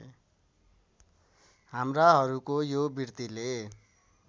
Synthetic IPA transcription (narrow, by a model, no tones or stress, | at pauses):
ɦamraɦʌɾukojobirt̪ile